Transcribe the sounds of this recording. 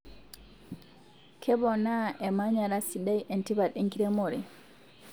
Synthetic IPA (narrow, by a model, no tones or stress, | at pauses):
kʰɛbɔnaʔɛmaɲaɾasidajʔɛntibaɗiŋkiɾɛmɔɾɛ